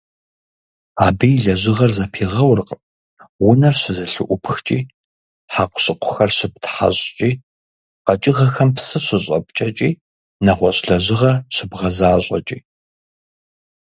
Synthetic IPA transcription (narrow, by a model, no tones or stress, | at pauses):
aːbijɮɐʑɪʁɐrzɐpʰiːʁɐwrq | wʊnɐrɕɪzɐɬɨʔʷʊpʰxt͡ʃʼiː | ħaqʷʊ̥ɕʼɪqʷʰʊxɐrɕɪp̚tʰħa̰ɕʼt͡ʃʼiː | qɐt͡ʃʼɪɣɐxɐmpsɨɕʷʊɕʼɐ̰p̚t͡ʃʼɐt͡ʃʼiː | nɐχʷɔɕʼɬɐʑɪʁɐɕɪbʁɐzaːɕʷʼɐ̰t͡ʃʼiː